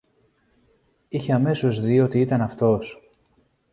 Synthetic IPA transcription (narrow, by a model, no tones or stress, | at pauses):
içe̞ɐme̞so̞zðio̞t̪iit̪ɐnɐft̪o̞s